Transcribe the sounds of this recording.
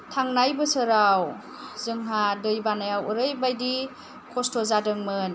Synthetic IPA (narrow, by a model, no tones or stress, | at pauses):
tʰaŋnajbɯsɯɾaw | zɯŋɦadɯjbanajawuɾɯjbajdi | kʰɔstʰɔzadɯŋmɯn